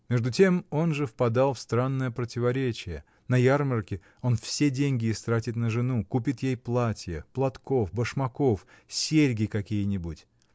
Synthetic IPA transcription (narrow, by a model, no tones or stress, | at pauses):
mʲeʐd̪ʊtʲe̞mo̞nʐɨfpɐd̪alˠfst̪ɾanːəjəpɾətʲɪvɐɾʲet͡ɕɪjə | nɐjarmərkʲɪ | o̞nfsʲedʲenʲɡʲɪːst̪ɾatʲɪt̪nəʐɨnukupʲɪt̪jejplˠatʲɪjəplˠɐt̪ko̞fbəʂmɐkof | sʲeɾʲɡʲɪkɐkʲijənʲɪbutʲ